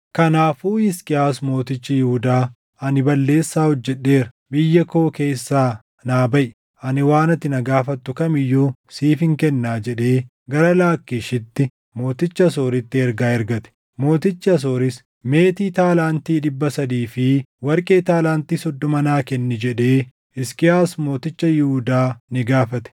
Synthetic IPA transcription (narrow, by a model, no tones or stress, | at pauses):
kɐnaːfuːɪskʼɪjaːsmo̞ːt̪ɪt͡ʃːɪjɪhʊd̪aː | ɐnɪbɐlːe̞ːsːaːhɔd͡ʒːɛᶑːe̞ːɾɐ | bɪjːɐko̞ːke̞ːsːaː | naːbɐʔɪ | ɐnɪwaːnɐt̪ːɪnɐɡaːfɐt̪ːʊkɐmɪjːuːsiːfɪŋkɛnːaːd͡ʒɛᶑe̞ː | ɡɐɾɐlaːkːɪʃɪt̪ːɪ | mo̞ːt̪ɪt͡ʃːɐɐso̞ːɾɪt̪ːɪɛɾɡaːɛɾɡɐt̪ɛ̥ | mo̞ːt̪ɪt͡ʃːɐɐs̬o̞ːɾɪs | me̞ːt̪iːt̪aːlaːnt̪iːᶑɪbːɐsɐd̪iːfɪwɐɾkʼeːt̪aːlaːnt̪iːsɔd̪ːɔmɐnaːkɛnːɪd͡ʒɛᶑe̞ː | ɪskɪaːsmo̞ːt̪ɪt͡ʃːɐjɪhud̪aːnɪɡaːfɐt̪ɛ̥